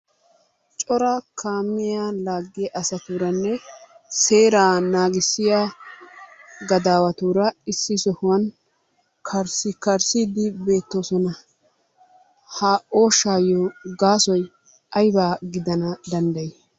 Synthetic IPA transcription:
t͡ʃʼɔɾɐkʰaːmːɪjaːlaːɡːɛʔɐsɐt̪uːɾɐnːɛ | se̞ːɾaːnaːɡɪsːɪjaː | ɡɐd̪aːwɐt̪uːɾɐɪsːɪsɔhʊwɐn | kʰɐɾsɪkɐɾsiːd̪ɪbe̞ːt̪ːo̞ːsɔnɐ | haːʔoːʃaːjɔɡaːsɔj | ɐjbaːɡɪd̪ɐnɐd̪ɐnd̪ɐjɛ

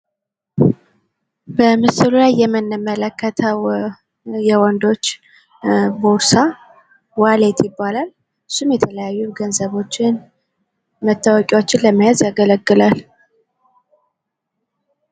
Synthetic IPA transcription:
bəmɨsɨlulajːɛmːɨnɨmələkːət̪ʰəw | jɛwɔnd̪o̞t͡ʃː | boɾsa | walet̪ʰjɪbːalal | ɨsumjɛt̪ʰələjajːuɡənzəβo̞t͡ʃːɪn | mət̪ʰːəwɔkʼɛwot͡ʃːɪnləmːijazjaɡələɡːɨlal

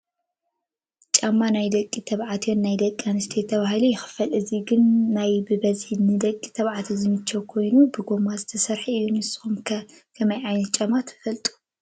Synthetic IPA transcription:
t͡ʃʼamːanajd̪ɐkʼːit̪ʰɐβʕat̪ʰjonːajd̪ɐkʼianɨst̪ʰet̪ʰɐβahɨlujɪxɨ̥fɐlʔɨziɡɨnːajbɨbɐzinɨd̪ɐkʼːi̥t̪ʰɐβʕat̪ʰizɨmɨt͡ʃːɐwkʰo̞jnubɨɡo̞mazɨt̪ʰɐsɐɾħiɨjːunɨsɨ̥xumkʰɐ | kʰɐmɐjʕajnɐt̪̚t͡ʃʼamːat̪ʰɨ̥fɐlt̪ʼu̥

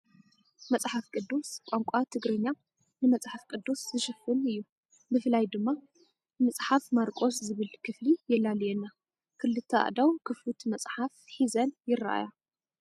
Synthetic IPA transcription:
mɐt͡sʼħafkʼɨd̪ːuskʷʼaŋkʷʼat̪ʰɨɡɾɐɲːa | nɨmɐt͡sʼħafkʼɨd̪ːuszɨʃɨfɨnɨjːu | mɨfɨlajd̪ɨmːa | mɐt͡sʼħafmaɾkʼo̞szɨβɨlkʰɨflijɛlːaljɛnːa | kʰɨlɨt̪ʰːɐʔa̰d̪awkʰɨflut̪mɐt͡sʼħafħizɐnjɪra̰ʔa̰ja

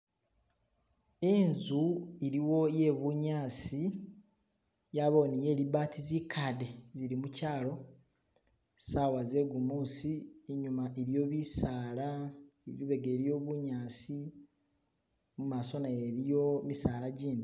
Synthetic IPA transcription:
enzuiɾiwo̞je̞βuɲaːsi | jaβo̞nije̞ːɾiβaːtʰizikʰade̞ziɾimucaːlo̞ | sawaze̞ɡumuːsieɲumaʔeɾjo̞βisaːlaeβiβe̞ɡeːɾijo̞ːβuɲaːsi | mumaso̞naeɾijomisaːɾaɟiːndi

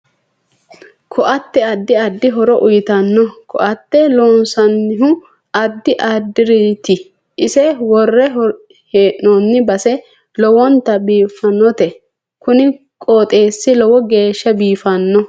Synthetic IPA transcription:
kʰɔʔɐt̪ːɛɐd̪ːɪɐd̪ːɪɦɔɾɔʔʊjɪt̪ɐnːɔkʰɔ̰ʔɐt̪ːɛloːnsɐnːɪɦʊ | ɐd̪ːɪʔad̪ːɪɾit̪ɪ | ʔɪsɛwɔrːɛ | heːʔnonːɪbɐsɛ | lɔwɔnt̪ːɐbiːfɐnːɔt̪ɛ | kʊnɪ | kʼoːt̪ʼe̞ːsːɪlɔwɔɡe̞ːʃːɐbiːfɐnːɔ

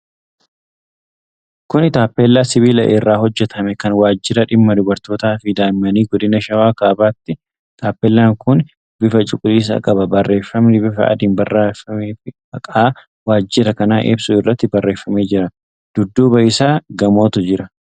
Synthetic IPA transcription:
kʊnɪt̪aːpːelːaːsɪβiːlɐ̰ʔerːaːhɔd͡ʒːɛt̪ʰɐmɛkɐnwaːd͡ʒːɪɾɐᶑɪmːɐd̪ʊbɐɾt̪o̞ːt̪aːfɪd̪aːmɪmɐniːɡɔd̪ɪnɐʃɐwaːkaːbaːt̪ːɪ | t̪aːpːɛlːaːŋkʊn | bɪfɐt͡ʃʼʊkʼʊliːs̬ɐ̰kʼɐbɐbɐrːe̞ːfːɐmnɪbɪfɐ̰ʔɐ̰d̪ɪnbɐrːafɐmeːfɪ | ɐkʼaː | waːd͡ʒːɪɾɐkɐnaːʔḛːbsʊɪrːɐt̪ːɪbɐrːe̞ːfːɐme̞ːd͡ʒɪɾɐ | d̪̥ʊd̪ːuːbɐʔɪːsaːɡɐmo̞ːt̪ʊd͡ʒɪɾɐ

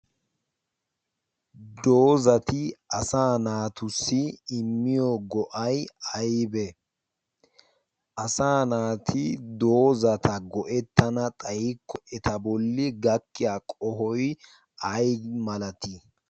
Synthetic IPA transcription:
d̪oːzɐt̪ɪʔɐsaːnaːt̪ʊsːɪɪmːɪjɔɡɔʔɐjɐjbɛ | ʔɐsaːnaːt̪ʰɪd̪oːzɐt̪ʰɐɡɔʔɛt̪ːɐnɐt̪ʼɐjɪkːɔʔɛt̪ɐbɔlːɪɡɐkːɪjaːkʼɔɦɔj | ʔɐjmɐlɐt̪i

